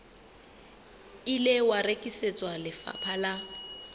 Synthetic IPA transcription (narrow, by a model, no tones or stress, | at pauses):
ilɪwarekʼisɪt͡sʼwalɪfa̰pʰala